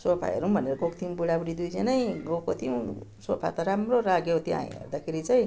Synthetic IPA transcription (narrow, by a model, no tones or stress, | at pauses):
sopʰa̰jʌ̰ɾubʱʌneɾʌɡokt̪ʰimbuɽabuɽid̪ujd͡zʌnʌjɡokot̪ʰimsopʰa̰t̪aɾamroɾaɡjot̪ia̰j̰̃ḛrd̪akʰeɾit͡saj̃